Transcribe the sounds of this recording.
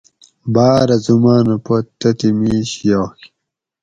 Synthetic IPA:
baːɾɐzumaːnɐpot̪ːɐt̪imiːɕjoːxi̥

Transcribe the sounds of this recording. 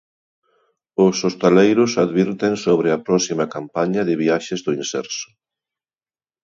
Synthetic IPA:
ʊsost̪alejɾʊsaðβiɾt̪ensoβ̞ɾɪɐpɾɔsimɐkampaɲɐðɪβiaʃɪzðʊinsɛ̰ɾsʊ̥

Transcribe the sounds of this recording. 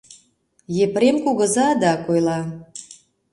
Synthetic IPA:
jepɾemkuɣə̆zɑd̪ɑkojlɑ

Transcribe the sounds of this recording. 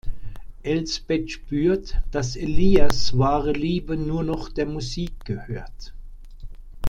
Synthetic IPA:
ʔɛlsb̥ɛtʃpyːɐtd̥aseliːasvaːʁəliːbənuːɐnɔχd̥eːɐmuziːk̚ɡ̥əhøːɐt

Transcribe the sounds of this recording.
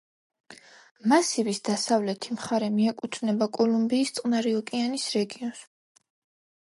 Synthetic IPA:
masivisd̪̥asavlɛt̪ʰimχaɾɛmiɛkʼut̪ʰnɛbakʼɔlumbiːst̪sʼqʼnaɾiɔkʼianisɾɛɡiɔns

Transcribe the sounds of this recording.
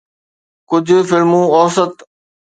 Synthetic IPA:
kʊd͡ʑʱʊfɪlmũːɔːsət̪

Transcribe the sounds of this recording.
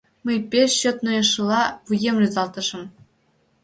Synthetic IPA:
mɘjpʲeɕŏt̪nɤ̆jɤ̆ʂɯlˠɑʋɯjemrʲuzɑlˠt̪ɤ̆ʐɤ̆m

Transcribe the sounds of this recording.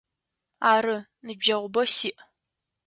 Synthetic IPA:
aːɾɨ | nɨbʒɐʁʷʊbɐsiːʔ

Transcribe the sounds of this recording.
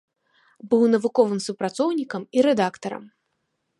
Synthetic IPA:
bɨwnɐvukɔvɨmsupɾat̪sɔwnʲikɐmiɾɛd̪akt̪ɐɾɐ̰m

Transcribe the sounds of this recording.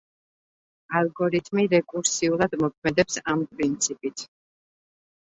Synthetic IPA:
alˠɡɔɾit̪ʰmiɾɛkʼuɾsiulˠad̪mɔkʰmɛd̪ɛpsampʼɾint̪sʰipʼit̪ʰ

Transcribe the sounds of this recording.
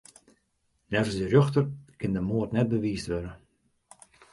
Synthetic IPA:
nɛvəsdərjøxtərkɪndəmoətnɛt̚bəʋiːstʋøɾə

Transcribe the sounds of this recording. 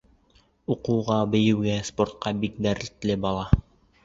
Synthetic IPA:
uqŭwʁɑbɘ̆jɘ̆wɡæspoɾt̪̚qɑbik̚d̪æɾɘ̆lt̪lɘbɑlˠɑ

